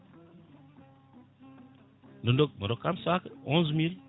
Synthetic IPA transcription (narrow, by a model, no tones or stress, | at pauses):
nondok̚məɾokːamsakəõnzmil